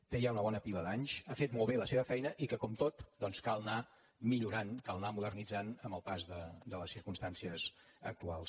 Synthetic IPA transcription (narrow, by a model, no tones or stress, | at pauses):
t̪ejaunəβɔnəpiləðaɲʃafet̪mɔlˠβeləseβəfɛjnəʔikəkɔmt̪ot̪d̪ɔnskalˠna | miʎuɾankalˠnamuðərnid͡zanəmbəlˠpazðəd̪ələsiɾkumst̪ansiəz | ək̚t̪ualˠs